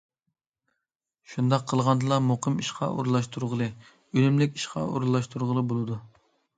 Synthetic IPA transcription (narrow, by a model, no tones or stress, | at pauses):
ʃund̪ɑqʰːəlˠʁɑnd̪ɨlˠɑmoqʰəmiʃqʰɑ̰ʔo̰ɾlˠɑʃt̪ʰuɾʁəlˠɨ | ølymlɪkʲi̥ʃqʰɑ̰o̰ɾulˠːɑʃt̪ʰuɾʁəlˠɨbolˠɨd̪u